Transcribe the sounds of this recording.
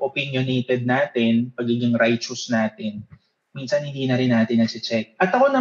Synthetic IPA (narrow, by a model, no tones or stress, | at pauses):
ʔopɪnjoneːt̪ɛd̪̚naːt̪ɪnpɐɡiɡɪŋɾajt͡ʃʊsnaːt̪ɪn | minsɐnhɪnd̪iːnɐɾɪnːaːt̪ɪnːɐɡ̚t͡ʃɪt͡ʃɛk̚ʔɐt̪ɐko̞nɐ